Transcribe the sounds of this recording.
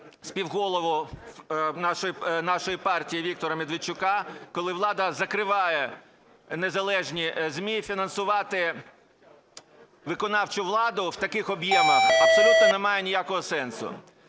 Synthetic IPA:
spʲiwɦɔlˠɔʋɔ | nɑʃɔjinɑʃɔjipɑrtʲijiʋʲik̚t̪ɔɾɐmʲed̪ʋet͡ʃːʊkɑkɔlˠɪʋlˠɑd̪ɐzɐkɾɪʋɑjɛ | nezɐlˠɛʒnʲizmʲifʲinɐnsʊʋɑt̪ɪ | ʋɪkɔnɑwt͡ʃʊʋlˠɑd̪ʊwt̪ɐkɪxɔbjɛmɐxɐpsɔlʲut̪̚nɔnemɑjenʲijakɔɦɔsɛnsʊ̰

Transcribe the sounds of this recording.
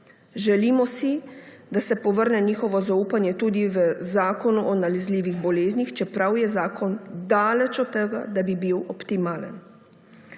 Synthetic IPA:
ʒɛliːmɔsi | d̪asɛpɔʋəɾnɛniːxɔʋɔzauːpanjɛt̪uːd̪iʋəzaːkɔnuʔɔnalɛzliːʋiɣbɔleːznixt͡ʃɛpɾawjɛzaːkʰɔnd̪aːlɛt͡ʃɔt̪ːɛɡa̰d̪abibiwɔpt̪imaːlə̰n

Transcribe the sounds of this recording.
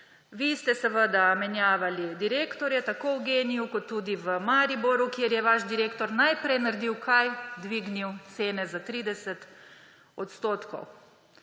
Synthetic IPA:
ʋist̪ɛsəʋəd̪amɛnjaːʋalid̪iɾeːkt̪ɔɾjɛt̪akowɡeːnijukɔt̪ːuːd̪iʋəmaɾiboɾukjeɾjɛʋaʃd̪iɾeːkt̪ɔɾnajpɾɛjnaɾd̪iwkʰajd̪ʋiːɡniwt̪seːnɛzat̪ɾiːd̪ɛsət̪ | ɔt̪st̪oːt̪kɔ̰w

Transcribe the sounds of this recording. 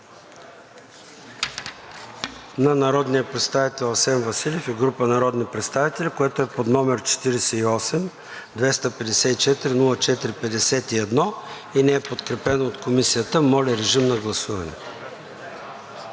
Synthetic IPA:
nɐnɐɾɔd̪nijəpɾɛt̪st̪avit̪ɛlˠɐsɛnvɐsilʲɛfɛɡɾupənɐɾɔd̪nipɾɛt̪st̪avit̪ɛlʲikoɛt̪oɛpod̪nɔmɛɾt͡ʃɛ̥t̪iɾɛsɛiɔsɛm | d̪vɛst̪əpɛd̪ɛsɛit͡ʃɛt̪iɾinulˠət͡ʃɛt̪iɾipɛd̪ɛsɛt̪iɛd̪nɔ | inɛɛpot̪kɾɛpɛnoːt̪komisijət̪əmɔlʲɛɾɛʒimnɐɡlˠɐsuvɐnɛ̰

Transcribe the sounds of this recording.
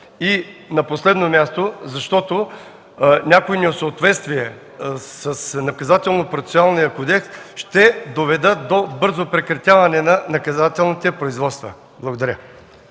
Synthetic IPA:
inɐposlɛd̪nomʲjast̪ozɐʃt̪ɔt̪o | nʲakoinɛosəot̪vɛt̪st̪viɛ | sɐsnɐkɐzat̪ɛlˠnopɾoft̪sʲionalˠnijəkod̪ɛksʃt̪ɛd̪ovɛd̪ət̪̚d̪obɤɾzopɾɛkɾɐt̪ʲjavɐnɛnɐnɐkɐzat̪ɛlˠnit̪ɛpɾoizvɔt̪st̪və̰ | blˠɐɡod̪ɐɾʲə

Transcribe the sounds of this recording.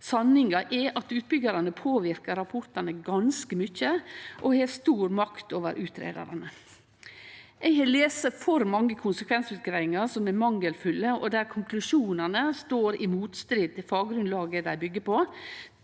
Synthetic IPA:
sɑnɪŋɑʔɛʔɑt̪ʉːt̪̚bʏɡɑɾɑnəpʰoːʋɪɾkəɾɑpʰʊɾt̪ɑnəɡɑnskəmʏçːəʔɔheːst̪uːɾmɑkt̪oːʋə̰ɾʔʉːt̪ʰɾḛːd̪ɑ̰ɾɑnə | ʔɛɪɡhɑːleːsəfɔɾmɑŋːəkʰʊnsəkʰʋɛnsʉːt̪̚ɡɾæɪɪŋɑɾsɔmɛmɑŋːəlfʉlːəʔɔd̪æːɾkʰʊŋkʰlʉʂuːnɑnəst̪oːɾɪmuːt̪st̪ɾiːd̪̚t̪ɪlfɑːɡɾʉnlɑːɡəd̪æɪbʏɡːəpo

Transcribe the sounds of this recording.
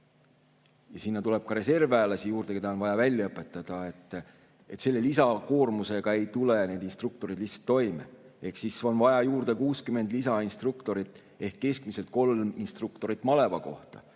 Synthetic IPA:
jɑsinːɑt̪ule̞b̥̚kɑɾe̞se̞rvæːlɑsijuːɾrd̪̥eke̞d̪ɑonvɑjɑvælʲːjɑɤpːˑe̞t̪ːˑɑd̪̥ɑe̞t̪ːˑ | e̞t̪se̞lːe̞lisɑko̞ːrmuse̞ɡ̥ɑe̞jt̪ule̞ne̞ːd̪̥inst̪ruk̚t̪o̞ɾid̪̥liçhtsɑ̥t̪ːo̞jmee̞hksiso̞nvɑjɑjuːrd̪̥e̞kuːskyme̞nd̪lisɑinst̪rukt̪o̞ɾit̪ːˑ | e̞hkːe̞skmiselt̪̚ko̞lminst̪rukt̪o̞ɾit̪ːˑmɑle̞vɑko̞̰ht̪ɑ̰

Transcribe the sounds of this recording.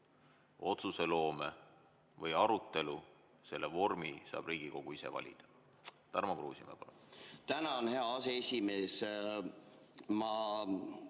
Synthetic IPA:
o̞t̪suselo̞ːme | vɤjɑɾut̪ːe̞lu | se̞lːevo̞rmisɑ̰ːb̥riːɡ̥iko̞ɡ̥uise̞̰vɑ̰lʲḭd̪̥ɑ̥ | t̪ɑrmɑkrṵːsimḛpɑlut̪ænɑonhe̞ɑɑseesʲimeːs | mɑ

